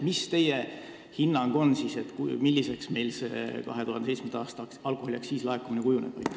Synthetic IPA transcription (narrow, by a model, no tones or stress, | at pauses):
mist̪e̞je | hinːɑŋɡ̥o̞nːsiːse̞t̪kumilːise̞ksme̞jlsḛkɑ̰ɦe̞t̪uhɦɑnd̪eej̪t͡ssmenɑːst̪ɑkɑlkˑoholʲjɑksːiːslɑekːuminekujuneb̥ɑ̰j̪